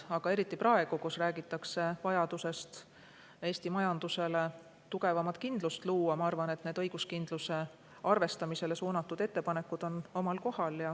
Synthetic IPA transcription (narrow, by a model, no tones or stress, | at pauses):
ɑɡ̥ɑe̞ɾit̪ːˑiprɑe̞ɡ̥ukusræːɡit̪ːˑɑkse̞vɑjɑd̪̥use̞st̪ | e̞ːst̪imɑjɑnd̪̥use̞le̞ | t̪uɡ̥e̞vɑmɑt̪ˑkind̪̥lust̪luːɑmɑɑrvɑne̞t̪ne̞ːd̪ɤ̞jɡ̥uskind̪̥luse̞ | ɑrve̞st̪ɑmise̞le̞suːnɑt̪ːˑud̪̥e̞t̪ːe̞pɑne̞kːˑud̪̥o̞no̞mɑlko̞hɑljɑ